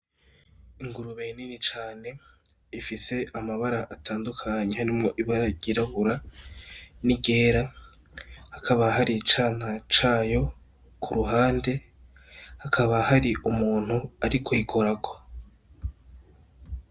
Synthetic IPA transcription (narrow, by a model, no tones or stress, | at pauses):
iŋɡuɾuβeːninit͡ʃaːne̞ | ifise̞ʔamaβaɾaʔataːndukʰaɲehaɾimŋo̞ʔiβaɾaɟiɾaβuɾa | niɡe̞ːɾa | hakʰaβaɦaɾit͡ʃaːn̥hat͡ʃaːjo̞ | kʰuɾuɦaːnde̞ | hakʰaβahaɾiʔumuːn̥huaɾikʰojikʰo̞ɾako